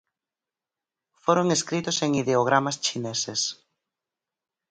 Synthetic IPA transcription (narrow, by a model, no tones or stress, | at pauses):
foɾoŋeskɾit̪ʊseŋiðeoɣ̞ɾamast͡ʃinɛses